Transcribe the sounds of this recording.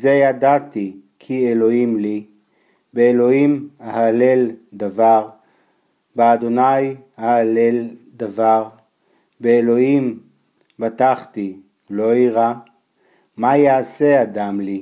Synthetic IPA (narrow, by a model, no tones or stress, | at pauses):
zejadat̪i | kʰielo̞imli | beːlo̞imahaleld̪avaʁ | bead̪o̞naj | aalel | d̪avaʁ | beːlo̞im | bat̪aχt̪i | lo̞iʁa | majaːse̞ad̪amli